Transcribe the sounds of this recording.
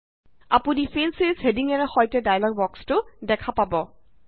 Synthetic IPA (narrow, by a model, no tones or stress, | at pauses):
apunifʰensezhediŋɛnɛxɔjtɛdajlɔɡ̚bɔkstʊdɛkʰapabɔ